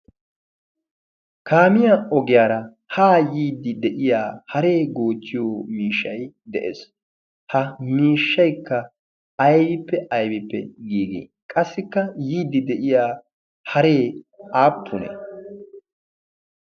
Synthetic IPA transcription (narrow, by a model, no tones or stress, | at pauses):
kʰaːmɪjaɔɡɪjaːɾɐ | haːjiːd̪ːɪd̪ɛʔɪjaːhɐɾe̞ːɡo̞ːt͡ʃːɪjoːmiːʃːɐj | d̪ɛʔḛs | hɐmiːʃːɐjkːɐ | ɐjbɪpːɛɐjbɪpːɛ̰ɡiːɡḭ | kʼɐsːɪkːɐjiːd̪ːɪd̪ɛʔɪjaː | hɐɾe̞ː | aːpʰːʊnɛ̰